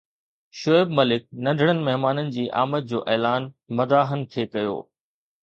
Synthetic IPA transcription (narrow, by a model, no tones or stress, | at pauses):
ʃoɪbmɐlɪk̚nɐ̃nɖʱəɽ̃ənɪ̆mɐɦmaːnənɪ̆d͡ʑiːʔa̰ːmət̪̚d͡ʑoːʔɛːlaːn | mɐd̪aːɦənɪ̆t̪ʰekɐjo̰ː